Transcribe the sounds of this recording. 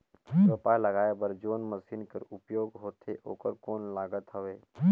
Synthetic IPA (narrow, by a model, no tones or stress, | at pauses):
əpaləɡaːebəɾd͡ʒoːnməsiːnkəɾʊpjoːɡɦoːt̪ʰeʔo̰ːkəɾkoːnlaːɡət̪ɦəʋeː